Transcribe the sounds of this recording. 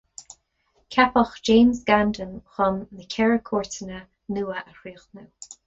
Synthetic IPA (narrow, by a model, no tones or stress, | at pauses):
kʰapɔxd͡ʒeːmzɡandənxɔnːəkʲʰɛɹəkʰɔːɹtənə | nuːəʔəhɹiːxnəw